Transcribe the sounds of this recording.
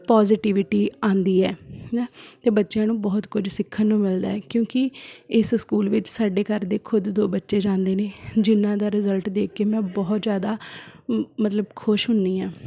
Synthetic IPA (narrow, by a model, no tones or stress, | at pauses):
paːzɪʈiʋɪʈiːãːnd̪iːɛː | t̪eːbətːʃjãːnũːbɔːt̪kʊd͡ʒsɪkʰːənːũːmɪld̪aːɛːkjõːkɪɪsskuːlʋɪt͡ʃsaːɖeːkəɾd̪eːkʰʊd̪d̪oːbətːʃeːd͡ʒãːnd̪eːneːd͡ʒɪnːãːd̪aːɾɪzəlʈd̪eːkʰkeːmɛ̃ːbɔːt̪zjaːd̪aː | mət̪ləbkʰʊʃɦʊnd̪iːãː